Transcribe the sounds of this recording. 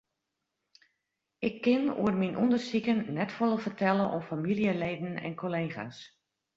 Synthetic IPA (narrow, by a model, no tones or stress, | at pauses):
ʔɪkʰːɪnṵərminʔṵndərsikənːɛtfolˠəvərtʰɛləʔɔmfamilijəlejdən̩ɛ̰nkoleːχa̰s